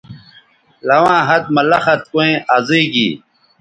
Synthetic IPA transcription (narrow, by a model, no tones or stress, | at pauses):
lɐwãːɦɐt̪̚mɐlɐxɐt̪̚koẽːʔazeːɡḭː